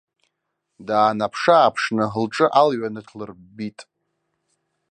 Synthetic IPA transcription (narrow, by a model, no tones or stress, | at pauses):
daːnapʰʂaːpʰʂnɨɦɨlʈ͡ʂʼɨʔalɥanɨtʰlɨr | bitʼ